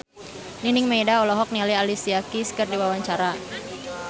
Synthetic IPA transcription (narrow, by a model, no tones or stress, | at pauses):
ninɪŋmejdaɔlɔɦɔk̚nialialisiakiskərdiwawaɲt͡ʃaɾa